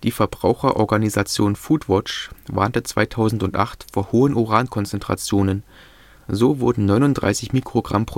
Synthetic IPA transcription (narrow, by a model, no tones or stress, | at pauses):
d̥iːfɛɐbʁaʊxɐʔɔɐɡanizat͡sjoːnfuːtv̥ɔt͡ʃva̰ːɐntət͡sv̥a̰ɪtʰaʊzn̩tʊntʔa̰χtfoːɐhoːənʔoʁaːnkʰɔnt͡sɛntʁ̥a̰t͡sjoːnən | zoːvʊɐdn̩nɔʏnʊnd̥ʁa̰ɪsɪçmiːkʁ̥oɡʁa̰mpʁ̥o